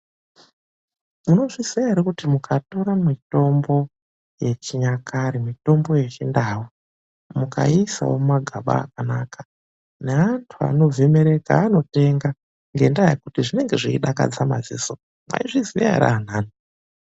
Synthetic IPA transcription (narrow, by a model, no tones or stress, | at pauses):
muno̞ʐiziaɦiɾekutimukʰato̞ɾamito̞mbo̞ | je̞t͡ʃiɲakʰaɾimito̞mbo̞je̞t͡ʃindaːwo | muka̰isa̰wo̰maɡʱaɓa̰ːk̚anaːkḁ | ne̞antʰua̰no̞vʱe̞me̞ɾe̞ka̰ːno̞te̞ŋɡa | ŋɡe̞ndajekutiʐine̞ŋɡe̞ʐiiɗaka̰d͡zama̰ziːso | mwa̰iʐizija̰a̰ɾa̰ːn̤aːno